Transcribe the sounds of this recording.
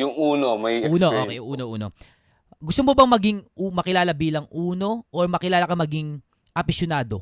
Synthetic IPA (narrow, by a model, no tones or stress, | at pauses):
jʊŋʔuːnomɐjuːnoʔo̰ːkḛjʊʔuːnoʔṵːno̰ | ɡʊst̪omobɐŋmɐɡiŋmɐkɪlaːlɐbiːlɐŋʔuːno̞ʔoɹmɐkɪlaːlɐkɐmɐɡiŋ | ʔɐpɪsjonaːd̪o̞̰